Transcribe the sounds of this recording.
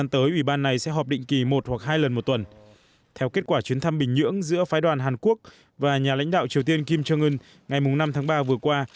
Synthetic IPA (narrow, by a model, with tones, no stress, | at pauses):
a˧nt̪əː˨˦jʔwi˧˩ɓaː˧nːa˨˩jsɛ̰˧˥ɦɔː˨˩p̚ɗḭ˧˨ŋ̟ki˨˩mo˨˩t̚hwa˨˩k̚ɦaː˧jlə˨˩nmo˨˩t̚t̪wə˨˩n | t̪ʰɛ˧wke˦˥t̚kwaː˧˩t͡ɕwi˨˦nt̪ʰa˧mɓï˨˩ŋ̟ɲɨ̰˧˥əŋzɨ̰˧˥əfaː˨˦jɗwaː˨˩nɦaː˨˩nku˦˥ək̚ | vaː˨˩ɲaː˨˩la̰˧˥jŋ̟ɗa̰ː˧˨wt͡ɕi˨˩əwt̪i˧ənki˧mt͡ɕəː˧ŋɨ˧ŋ | ŋa˨˩jmʊ˨˩ŋ͡mna˧mt̪ʰaː˨˦ŋɓaː˧vɨ˨˩əkwaː˧